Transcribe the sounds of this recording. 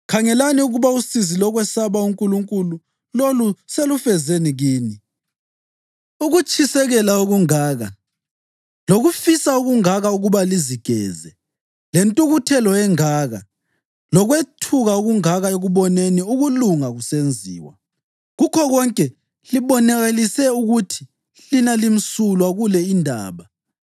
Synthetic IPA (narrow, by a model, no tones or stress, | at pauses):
kʰaŋɛlaniuɣuβausizilɔɣwɛsaβauŋkʼuluŋkʼulu | loluselufɛzeniɣiːni | uɣut͡ʃʰʼisɛɣɛlauɣuŋaːɣa | loɣufisauɣuŋaɣauɣuβaliziɡ̥ʱɛ̰ːzɛ | lentʼuɣutʰɛlɔɛŋaːɣa̰ | lɔɣwetʰuɣauɣuŋaɣaeɣuβɔneniuɣuluŋaɣusend͡zʱḭːwa̰ | ɣukʰɔɣɔŋkʼɛ | liβɔnɛɣelisɛuɣutʰi̥ | linalim̩sulwaɣulɛindʱa̰ːβa